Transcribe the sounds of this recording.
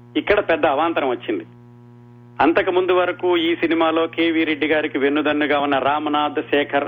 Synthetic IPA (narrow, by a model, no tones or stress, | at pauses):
ikːɐɽɐpɛd̪ːɐːʋaːnt̪ɐnɐ̃mʋɐt͡ʃːind̪i | ɐnt̪ɐkɐmund̪uʋɐɾɐkuːiːsinimaːlo̞ːkeːʋiːɾe̞ɖːiɡaːɾikiʋe̞nːud̪ɐnːuɡaːunːɐɾaːmɐnaːd̪ʱʃɛːkʰɐɾ